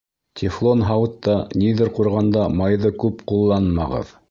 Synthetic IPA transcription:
t̪ʲʰɪflˠonɦɑwt̪ːɑniðɘɾquɾʁɑnd̪ɑmɑjðɤkʉpqulˠːɑnmɑʁɤ̰ð

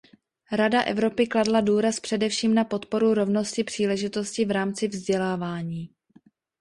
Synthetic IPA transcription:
ɾadaʔɛ̰vɾo̞pɪkladladuːɾaspr̥ɛdɛfʃiːmnapo̞t̪po̞ɾuɾo̞vno̞scɪpr̥iːlɛʒɪt̪o̞scɪvɾaːmt͡sɪvzɟɛlaːvaːɲiː

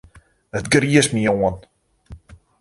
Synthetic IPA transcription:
ətɡriəsmioən

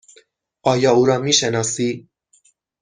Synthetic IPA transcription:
ɒːjɒːuɾɒmiʃenɒsi

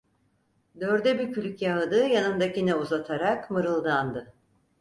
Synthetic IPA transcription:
d̪øɾd̪ɛbicʰylʲycjaɦɯd̪ɯjanɯmd̪acinɛuzat̪ʰaɾakmɯɾɯlˠd̪and̪ɯ

